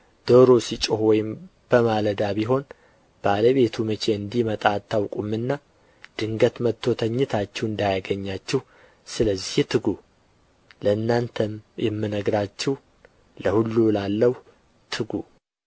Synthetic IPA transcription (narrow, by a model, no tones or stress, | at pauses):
d̪̥oɾo̞sit͡ʃʼohwɔjɪm | b̥əmaləd̪aβiɦo̞n | b̥aləβe̞t̪ʰumɨt͡ʃʰe̞ɨnd̪ihmət̪ʼaːt̪ʰːawkʼumːɨnːa | d̪̥ɨŋɡət̪mət̪ʰːo̞t̪ʰəɲːɨt̪ʰat͡ʃːɛwɨnd̪ajaɡəɲːat͡ʃːɛh | sɨləzːiht̪ʰɨɡu | ləɨnːant̪ʰəmjɛmːɨnəɡɾat͡ʃːɛw | ləhulːulalːəh | t̪ʰɨɡu